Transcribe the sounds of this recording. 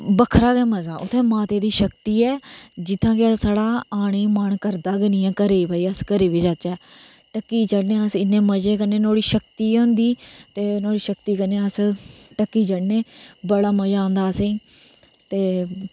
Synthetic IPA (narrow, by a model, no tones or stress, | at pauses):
bəkʰɾaːɡɛːməd͡ʒãːʔʊt̪ʰːẽːmaːt̪eːd̪iːʃəkt̪iːɛːd͡ʒɪt̪ʰːãːkɪəsaːɽaːaːɽ̃iːməɳkəɾd̪aːɡənĩːɛ̃ːkəɾeːiːbʱaːiːəskəɾeːʋiːd͡ʒaːt͡ʃɛː | ʈəkːiːt͡ʃəɽneːəsɪnːẽːməd͡ʒeːkəneːnõːɽiːʃəkt̪iːõːnd̪iːt̪eːnoːɽiːʃəkt̪iːkəneːəsʈəkːiːt͡ʃəɽneːbəɽaːməd͡ʒãːnd̪aːəsẽː | t̪eː